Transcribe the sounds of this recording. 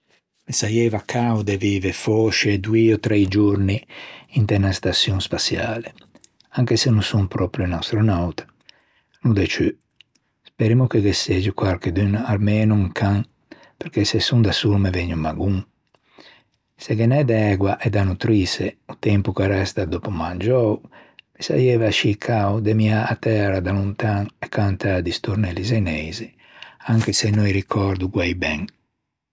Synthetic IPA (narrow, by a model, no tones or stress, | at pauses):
mesajɛvakʰːawd̪ɛviːvefɔʃeɛd̪wiɔt̪ɾɛjd͡ʒuɾniint̪ɛnast̪asjuŋspasjaːle | aŋkesenũsumpɾɔpɾunast̪ɾonawt̪ḁ | nud̪ɛt͡ʃy | speɾimukeɡesed͡ʒikwaɾked̪ynalmenuŋkʰaŋ | peɾkesɛsund̪asuɾmeveɲːumaɡuŋ | sɛɡɛnɛd̪ɛɡwaʔɛd̪anut̪ɾiseut̪ɛmpukaɾɛst̪ad̪opumand͡ʒɔwmisa̰jɛvaʃikʰaud̪emiaat̪ːɛɾad̪alunt̪aŋɛkːant̪ad̪ist̪uɾnɛlizɛnɛjzi | aŋkesɛnːɔjɾikʰɔɾd̪uɡwɛjbɛŋ